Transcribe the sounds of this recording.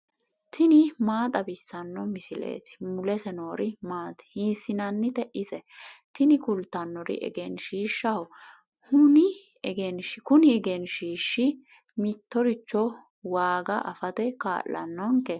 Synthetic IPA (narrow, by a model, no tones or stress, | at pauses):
t̪ʰɪnɪmaːt̪ʼɐbɪsːɐnːɔmɪsɪlḛːt̪ɪ̥mʊlɛsɛnoːɾɪmaːt̪ɛ̥hiːsːɪnɐnːɪt̪ɛʔɪsɛt̪ɪnɪkʊlt̪ːɐnːɔɾɪ̰ʔɛ̰ɡɛnʃiːʃːɐw | hʊnɪ | ɛɡɛnʃkʊnɪɛɡɛnʃiːʃːɪ | mɪt̪ːɔɾɪt͡ʃːɔ | waːɡɐʔɐfɐt̪ɛka̰ːʔɐ̰nːɔŋkɛ